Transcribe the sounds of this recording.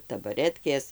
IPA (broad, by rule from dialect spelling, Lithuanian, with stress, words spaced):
tɐbɐˈrʲæːtʲkʲeːs